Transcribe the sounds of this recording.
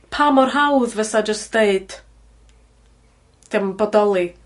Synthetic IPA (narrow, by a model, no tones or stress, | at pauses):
pʰamɔrɦawðvəsad͡ʒəstd̥eɨd̥ | d̥ɪmbɔdɔlˠi